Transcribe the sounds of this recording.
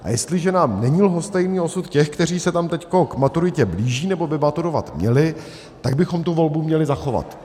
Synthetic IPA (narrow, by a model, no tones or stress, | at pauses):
ʔa̰jɛst̪lɪʒɛnaːmnɛɲilɦo̞st̪ɛjniːo̞sut̪cɛxkt̪ɛr̝iːsɛt̪amt̪ɛcko̞kmat̪uɾɪcɛbliːʒiːnɛbo̞bɪbat̪uɾo̞va̰t̪mɲɛ̰lɪ | t̪aɡ̚bɪxo̞mt̪uvo̞lbumɲɛlɪzaxo̞va̰t̪